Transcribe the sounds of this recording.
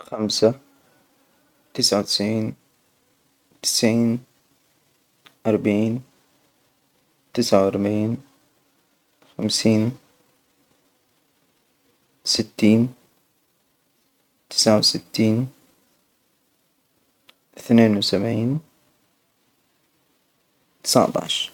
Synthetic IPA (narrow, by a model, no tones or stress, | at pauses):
xamsa | t̪ɪsʕawt̪ɪ̥sʕiːn | t̪ɪ̥sʕiːn | ʔɑɾˤbaʕiːn | t̪ɪsʕawɑɾˤbaʕiːn | xamsiːn | sɪt̪ːiːn | t̪ɪ̥sʕawsɪt̪ːiːn | ʔɪθneːnwsabʕiːn | t̪ɪ̥sa̰ʕt̪ˤɑ̰ʕʃ